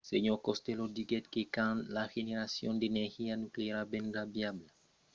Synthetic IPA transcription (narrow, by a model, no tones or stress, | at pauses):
seɲoɾkost̪elod̪iɡet̪̚kekãnlaxeneɾasjõ̰nd̪eeneɾxianukleeɾabẽnrabjabla